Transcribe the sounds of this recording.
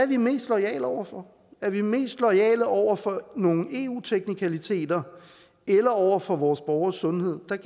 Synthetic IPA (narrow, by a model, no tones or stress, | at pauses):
æɐʋime̝̰ːsd̥lɒ̽ɪɛ̰ːlɒʊ̰ɐfɒ̽ | æɐʋime̝̰ːsd̥lɒɪɛ̰ːləʔɒʊ̰ɐfɒ̽no̝ːŋ̩e̝ːuːt͡sʰeɡ̥nikʰælit͡sʰe̝̰ːd̥ɐ | elɐɒʊ̰ɐfɒ̽ʋɒːsb̥ɒʊɐsːɔ̽nhe̝ð̰ˠd̥ɑ̈